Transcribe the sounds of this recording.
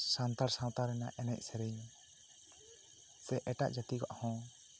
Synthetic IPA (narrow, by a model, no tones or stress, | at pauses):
sant̪aɾsãw̃t̪aɾɛnaʔɛnɛc̚ˀsɛɾɛjn | sɛʔɛʈa̰ʔd͡ʒat̪ika̰ʔhɔ̃